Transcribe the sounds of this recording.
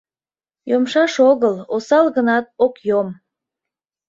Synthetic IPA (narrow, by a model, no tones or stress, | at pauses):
jomʃɑʃoɣəlosɑlɣənɑt̪̚okjom